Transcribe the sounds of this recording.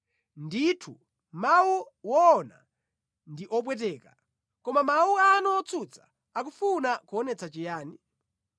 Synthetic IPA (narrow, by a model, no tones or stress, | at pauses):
nditʰu | mawu | wɔːna̰ | ndiʔɔp̬wɛt̬ɛːka | kɔmamawuanuɔt͡sʰut͡sʰḁ | akufunakuɔnɛt͡sat͡ʃɛjaːni